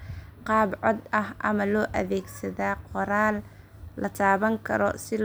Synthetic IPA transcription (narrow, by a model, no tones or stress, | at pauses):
qɑːbʕɔd̪ɐɦʔɐmɐlɔːʔɐðɛːɡsɐðaːqɔɾaːlː | ɐt̪ʰaːβɐŋkʰɐɾɔ̰sɪl